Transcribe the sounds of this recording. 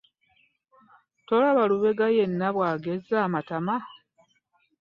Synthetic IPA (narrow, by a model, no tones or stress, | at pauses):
tolaβaluβe̞ɡajenːaβwaːɡe̞zaːmatama